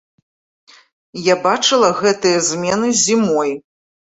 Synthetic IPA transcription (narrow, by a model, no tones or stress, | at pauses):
jabat͡ʂɨlˠɐɣɛt̪ɨjɐzʲmʲɛnɨzʲimɔj